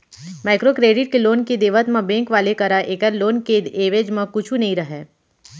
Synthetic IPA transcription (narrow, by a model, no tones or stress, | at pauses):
maːɪkɾokɾeːɖɪʈ̚keloːnkid̪eːʋət̪mɐ̃bẽːŋkʋaːlekɐɾaʔeːkəɾloːnkeeːʋed͡ʒmãkʊt͡ʃʰunɐɦĩɾɐɦeː